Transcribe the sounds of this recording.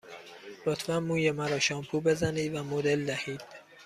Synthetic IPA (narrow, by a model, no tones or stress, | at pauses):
lot̪ʰvænmuːjemæɾɒːʃɒːmpʰuːbe̞zæniːd̪væmod̪e̞ld̪æhiːd̪̥